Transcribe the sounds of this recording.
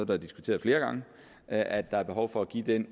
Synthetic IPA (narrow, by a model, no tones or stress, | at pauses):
ð̩ˠd̥ɑɐd̥isɡ̥ut͡sʰe̝̰ːðˠfle̝ːɐɡ̥ɑ̈ŋə | ʔæd̥ɑ̈æɐb̥e̝ɦɒʊfɒ̽æɡ̥ḭd̥en